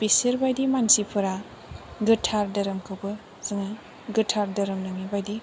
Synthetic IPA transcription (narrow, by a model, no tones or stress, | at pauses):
pisiɾbajdimansipʰɯɾa | ɡɯtʰaɾdɐɾɐmkʰɯwbɯ | z̥ɯŋa | ɡɯtʰaɾdɐɾɐmnɯmibajdi